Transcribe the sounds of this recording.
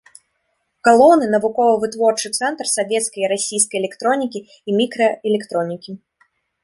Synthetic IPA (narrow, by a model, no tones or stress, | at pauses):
kalˠɔwnɨnɐvukɔvɐvɨt̪vɔrt͡ʂɨt̪sɛnt̪rsavʲɛt̪skɐjiɾasʲijs̬kɐjɛlʲɛkt̪ɾɔnʲikʲiː | mʲikɾɐɛlʲɛkt̪ɾɔnʲikʲi